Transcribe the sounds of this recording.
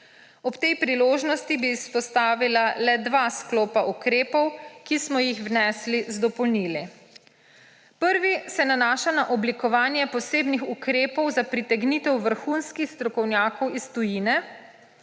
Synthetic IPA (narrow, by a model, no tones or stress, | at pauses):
ɔpt̪ɛjpɾiloːʒnɔst̪ibiːspɔst̪aːʋilalɛd̪ʋaskloːpaʔukɾeːpɔwkismɔjixwnɛːslizd̪ɔpɔlniːlɛ | pəɾʋisɛnanaːʃanaʔɔblikɔʋaːnjɛpɔseːbnixukɾeːpɔwzapɾit̪ɛɡniːt̪ɛwʋəɾxunskixst̪ɾɔkɔwnʲjaːkɔwist̪ujinɛ